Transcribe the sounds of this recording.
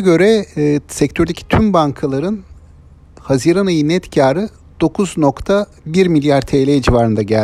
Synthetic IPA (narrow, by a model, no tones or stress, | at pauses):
ɟø̞ɾɛːsɛct̪ʰøɾd̪e̞cʰi̥t̪ʰymbaŋkʰalˠaɾɯn | haziɾanajɯnɛt̪cʰaːɾɯ | d̪̥o̞kʰuzno̞kt̪ʰa | biɾmilʲjaɾt̪ʰejlʲejd͡ʒivaɾɯnd̪aɟælʲ